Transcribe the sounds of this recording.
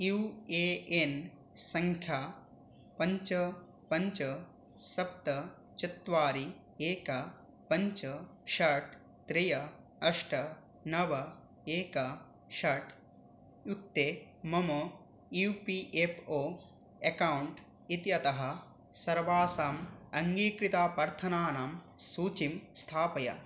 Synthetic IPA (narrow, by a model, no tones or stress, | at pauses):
juːeːen | sɐŋkʰja | pɐɲt͡ʃɐ | pɐɲt͡ʃɐ | sɐp̚t̪ɐ | t͡ʃɐt̪ʋaːɾi | eːkɐ | pɐɲt͡ʃɐʃɐʈ | t̪ɾijɐ | ɐʃʈɐ | nɐʋɐ | eːkɐ | ʃɐʈ | juk̚t̪e | mɐmɐ | jupiʔepʰoː | ekɐwuɳʈ | it̪jɐt̪ɐɦɐ̆ | sɐɾʋaːsaːmɐŋɡiːkɾit̪aːpɐɾt̪ʰɐnaːnaːmsuːt͡ʃimst̪ʰaːpɐjɐ̰